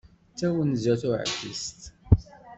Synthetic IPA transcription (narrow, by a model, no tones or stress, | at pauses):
t͡sːæwənzæθʊʕə̰fḭst̪